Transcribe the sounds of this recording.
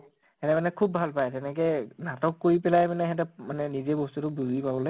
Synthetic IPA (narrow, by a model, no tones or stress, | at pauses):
hɛtɛmanɛkʰubːʱalpajtɛnɛk̬ɛnatɔkːoɹipɛlajmanɛɦɛt̬ɛmanɛnizebɔstutʊbuzipabɔle